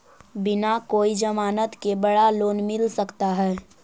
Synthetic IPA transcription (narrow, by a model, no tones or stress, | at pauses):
bɪnakoːid͡ʒəmaːnət̪kebəɽaloːnmɪlsəkt̪aɦɛː